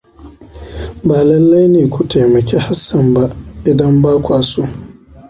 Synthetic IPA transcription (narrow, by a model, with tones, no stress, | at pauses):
baː˨lɐ˦lːa˦jneː˨kʷu˦ta˨jmɐ˨kʲeː˦ha˦sːɐ˨mba˦ʔʔɪ˨dɐ˦mbaː˦kʷaː˨suː˦